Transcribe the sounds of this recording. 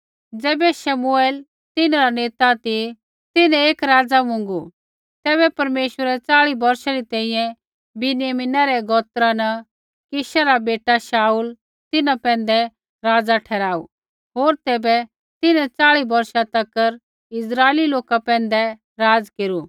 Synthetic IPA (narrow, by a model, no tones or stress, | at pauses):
d͡zɛːbɛʃɐmueːl | t̪ɪnaɾaneːt̪at̪i | t̪ɪnɛ̃eːkɾaːd͡zamʊ̃ŋ̆ɡu | t̪ɛːbɛpɐɾmeːʃwəɾɛt͡saːɭibɐɾʃaɾit̪ɛ̃ːĩjɛ̃ | bɪnɪjəmɪnaɾɛɡɔːt̪ɾanɐ | kɪʃaɾabeːʈaʃaːuːl | t̪ɪnapɛ̃ːnd̪ɛ | ɾaːd͡zaʈʰɛːɾaːṵ | ɦoːɾt̪ɛːbɛ | t̪ɪnɛ̃t͡saːɭibɐɾʃat̪ɐkːəɾ | ɪs̬ɾaːeliloːkapɛ̃ːn̆d̪ɛ | ɾaːd͡zkeːɾu